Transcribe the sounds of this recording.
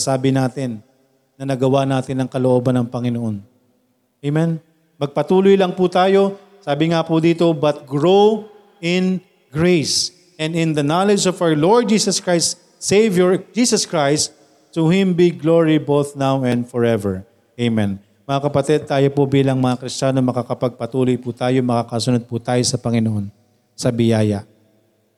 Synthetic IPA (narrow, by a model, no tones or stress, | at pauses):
saːbɪnaːt̪ɪnː | ɐnɐɡɐwanaːt̪ɪnɐŋkɐloʔoːbɐnɐŋpɐŋɪnoʔon | ʔejmɛn | mɐɡ̚pɐt̪uːlojlɐŋput̪aːjo̞ | saːbɪŋapʊd̪iːt̪o̞bɐt̪̚ɡɹo | ɪ̃n | ɡɹejs | ɛ̃nd̪ɪ̃nd̪ɐnalɛd͡ʒɔvawə˞loɹd̪̚d͡ʒiːsɐskɹajst̪ | sejvjɔɹd͡ʒiːsɐskɹajst̪̚ | t̪uhɪ̃mbiɡloɹibowθnawɛ̃nd̪fɔɹɛvɛɹ | ejmɛ̃n | mɐŋakɐpɐt̪ɛd̪̚t̪aːjo̞pobiːlɐŋmɐŋakɾɪst͡ʃaːno̞mɐkakɐpɐɡ̚pɐt̪uːlojput̪aːjomɐkakɐsʊnod̪̚pʊt̪aːjo̞sɐpɐŋɪnoʔon | sɐbɪjaːjɐ